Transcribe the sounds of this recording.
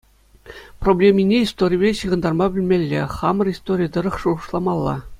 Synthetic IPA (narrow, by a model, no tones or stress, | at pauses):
problʲemʲinʲeist̪oɾʲijbʲeɕɯʁɤ̆nd̪ɑrmɑbʲɘ̆lʲmʲelʲːeχɑmɤ̆rist̪oɾʲijd̪ɤ̆ɾɤ̆χʂuʁɤ̆ʂlˠɑmɑlˠːɑ̰